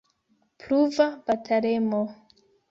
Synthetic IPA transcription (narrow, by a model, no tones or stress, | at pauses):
pluvabatʰaɾemo